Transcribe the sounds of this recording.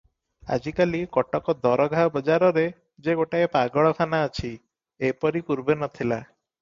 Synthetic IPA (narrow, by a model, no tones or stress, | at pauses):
a̰d͡ʒikalikɔʈɔkɔd̪ɔɾɔɡʱabɔd͡ʒaɾɔɾe | d͡ʒeɡoʈaepaɡɔɭɔkʰanaɔt͡ʃʰi | epɔɾikuɾbenɔt̪ʰila